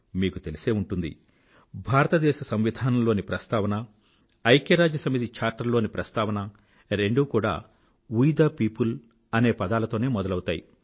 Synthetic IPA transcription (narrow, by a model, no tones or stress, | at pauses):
miːkut̪elise̞ːuɳʈund̪ḭ | bʱaːɾɐt̪ɐd̪ɛːʃɐsɐmʋid̪ʱaːnɐmlo̞ːnipɾɐst̪aːʋɐnɐː | jkjɐɾaːd͡ʒɐsɐmit̪̬it͡ʃaːɾʈːɐɾlo̞ːnipɾɐst̪aːʋɐnɐ | ɾe̞ɳɖukuːɽa̰ː | ujd̪aːpiːpul | ɐne̞ːpɐd̪aːlɐt̪o̞ːne̞ːmɔd̪ɐlɐwt̪aːjḭ